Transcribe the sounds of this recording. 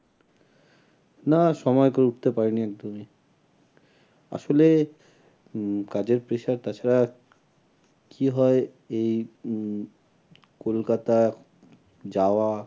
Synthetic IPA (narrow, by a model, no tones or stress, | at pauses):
naʃɔmɔekoɾeuʈ̚ʰt̪epaɾeniɛk̚d̪omi | a̰ʃole | kad͡ʑeɾpɾeʃaɾt̪at͡ɕʰaɾa | kʰiɦɔe | ej | kolkat̪a | d͡ʑaoa